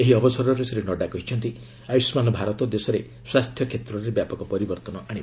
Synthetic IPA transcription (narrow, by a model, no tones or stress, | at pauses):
eɦiɔbɔsɔɾɔɾeseɾenɔɖakɔɦit͡ʃʰɔnt̪i | ajsmanɔbʱaɾɔt̪ɔd̪esɔɾe | swast̪ʰjɔkʰet̪ɾɔɾebjapɔkɔpɔɾibɔɾt̪ɔnɔʔaɽ̃i